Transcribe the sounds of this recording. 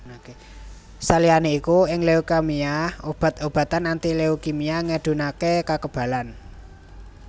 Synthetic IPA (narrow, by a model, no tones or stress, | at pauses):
oke | salianeikuɪŋleokamiaob̥a̤t̪̚ob̥ä̤t̪anant̪ileokimiaŋəɖ̪̥ṳnakekakəb̥ä̤lan